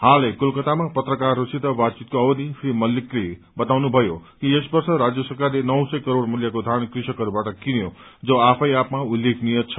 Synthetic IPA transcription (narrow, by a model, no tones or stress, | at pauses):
halekulkʌt̪amapʌt̪rʌkarːosit̪ʌbad̪̚t͡sit̪̚koʌbʌd̪ʱisʰɾimʌlːikri | bʌt̪awnubʱʌjokiesbʌrsʌɾad͡zjʌsʌrkarlenʌwsʌjkʌɾoɽmuljʌkod̪ʱankrisʌkʌɾubaʈʌkinjod͡zʌapʰʌjapmaulːekʰnijʌt̪t͡sʰʌ̥